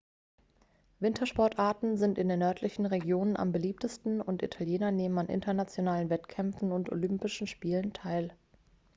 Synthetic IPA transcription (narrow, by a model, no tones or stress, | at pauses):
vɪntʰɐʃpɔɐtʔaːɐtn̩zɪntɪndeːnœɐtʰlɪçn̩ʁeɡjoːnənʔa̰mbəliːp̚təstn̩ʊntʔḭtʰaljeːnɐneːmənanʔɪ̰ntɐnat͡sjonaːlənvɛtkʰɛmfn̩ʊnto̰lʏmpɪʃn̩ʃpiːləntʰaɪl